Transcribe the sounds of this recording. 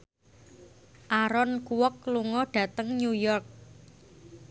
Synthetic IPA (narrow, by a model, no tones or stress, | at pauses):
ʔaɾɔnkuwɔkluŋɔɖ̥ä̤t̪əŋɲujɔrk̚